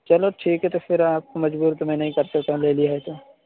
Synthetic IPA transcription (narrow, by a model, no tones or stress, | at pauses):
t͡ʃɐloʈʰiːkɦɛt̪ofɪɾaːp̚komɐd͡ʒbuːɾt̪omɛ̃nɐɦĩkɐɾsɐk̚t̪aɦũleːliaɦet̪oː